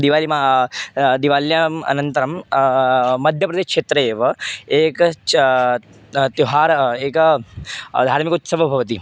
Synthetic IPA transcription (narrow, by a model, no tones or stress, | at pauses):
d̪iʋaːlima | d̪iʋaːljamɐ̰nənt̪əɾɐmː | ɐd̪ʱjɐpɾɐd̪eːʃkʂeːt̪ɾəeːʋɐeːk | t̪joɦaːɾeːk | d̪ʱaːɾmikut̪sɐʋəbʱɐʋt̪i